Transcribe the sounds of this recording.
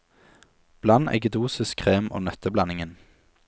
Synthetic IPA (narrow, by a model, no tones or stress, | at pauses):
b̥lɑnɛ̰ɡəd̪uːsɪskʰʁeːmo̰ːnœt̪ʰəblɑnɪŋən